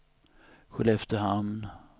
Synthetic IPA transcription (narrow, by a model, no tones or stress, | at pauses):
ɧɵlɛft̪əhamn